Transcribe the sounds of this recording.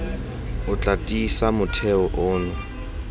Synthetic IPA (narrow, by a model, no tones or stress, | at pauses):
ʊt͡ɬʼatʼisamʊtʰɛɔʔʊːnʊ